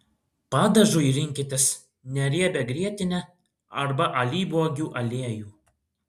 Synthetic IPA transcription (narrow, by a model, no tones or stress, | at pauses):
pɑːd̪ɐʒuːiɾʲɪŋʲkʲɪt̪ʲɪs | nʲɛɾʲiɛbʲɛɡɾʲiɛt̪ʲɪnʲɛ | ɐɾbɐʔɐlʲiːbuɔɡʲuːʔɐlʲeɛjuː